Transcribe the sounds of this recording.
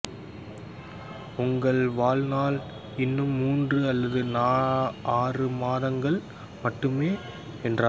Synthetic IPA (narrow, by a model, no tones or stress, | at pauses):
ʊŋɡɐɭʋaːlnaːl | ɪnːɯmːuːndrɯɐlːɐðɯnaːaːrɯmaːðɐŋɡɐɭ | mɐʈːɯmeː | ɛndraː